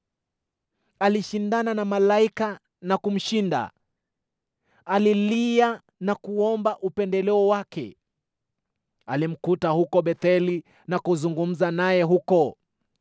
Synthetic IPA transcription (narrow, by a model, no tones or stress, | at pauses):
aliʃindananamalaika | nakum̩ʃinda̰ | alilia | nakuɔmbaʔupɛndɛlɛɔwakɛ̰ | alim̩kutahukɔɓɛθɛli | nakuzuŋɡum̩zanajɛɦukɔ